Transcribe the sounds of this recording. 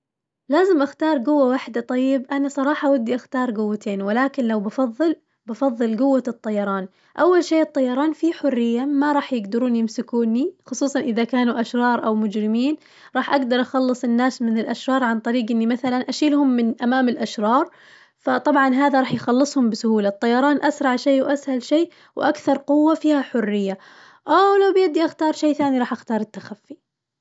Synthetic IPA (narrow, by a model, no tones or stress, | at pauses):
laːzɪmʔaxt̪ɑːɾˤɡʊwːawaħd̪at̪ˤɑjːɪbʔanasˤɑɾˤɑːħɑʔawad̪ːiʔaxt̪ɑːɾˤɡʊwːat̪ʰeːnwɪlaːkɪnlawbɑfɑðˤːɨl | bafɑðˤːɨlɡʊwːat̪ˤːɑjɑɾˤɑːn | ʔawːalʃeːʔɨt̪ˤːɑjːɑɾˤɑːnfiħʊrːɪjːamaɾˤɑːħjɪɡd̪ɪɾuːnjɪmsɪkuːnixʊsˤuːsˤɑnʔɪðakaːnuʔaʃɾˤɑːɾˤʔawmʊd͡ʒɾɪmiːn | ɾˤɑːħʔaɡd̪ɑɾˤʔɑxɑlːɨsˤɪnːaːsmɪnɪlʔaʃɾˤɑːɾˤʕant̪ˤɑɾiːɡʔɪnːimaθalanʔaʃiːlhʊmːɪnʔamaːmɪlʔaʃɾˤɑːɾˤ | fat̪ˤɑbʕɑnɦaːðaɾˤɑːħjxɑlːɨsˤhʊmbɪsʊhuːlat̪ˤːɑjːɑɾˤɑːnʔasɾˤɑʕʃeːwʔashalʃeː | wʔakθɑɾˤqʊwːafiːhaħʊrːɪjːa | ʔawlawbjad̪ːiʔaxt̪ɑːɾˤʃeːθaːniɾˤɑːħʔaxt̪ɑːɾˤɪt̪ːaxafːi